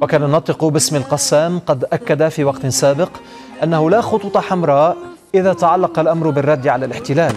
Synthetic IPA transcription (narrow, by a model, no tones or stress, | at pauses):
wakaːnanɑt̪ˤɨqʊbɪsmɪlqɑsaːmqɑd̪ʔakːad̪afiːwɑqt̪saːbɪq | ʔanːahʊlaxʊt̪ˤut̪ˤɑħamɾˤɑːʔ | ʔɪðaːt̪aʕalːɑqɑlʔamɾʊbɪrˤːɑd̪ːʕalalɪħt̪ɪlaːl